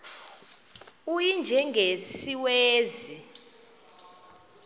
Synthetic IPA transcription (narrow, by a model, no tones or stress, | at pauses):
ujind͡ʒʱɛŋɡʱesiweːzi